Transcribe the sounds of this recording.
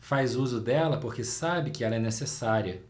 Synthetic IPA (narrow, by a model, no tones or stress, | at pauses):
fajzuzʊd̪ɛlɐpoɾkesabɪkɪɛlɐɛnesesaɾiɐ